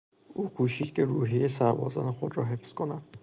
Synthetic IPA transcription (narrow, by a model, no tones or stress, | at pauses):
ukʰuːʃid̪kʰeɾuːɦiesaɾbɒ̰ːzɒ̰nexod̪ɾɒɦefskʰonad̪̥